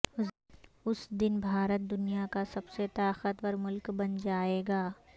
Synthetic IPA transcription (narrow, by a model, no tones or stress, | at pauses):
ʊ | ʊsd̪ɪnbʱaːɾət̪̚d̪ʊnijakasɐbset̪aːqət̪wəɾmʊlkbɐnd͡ʒaːeːɡaː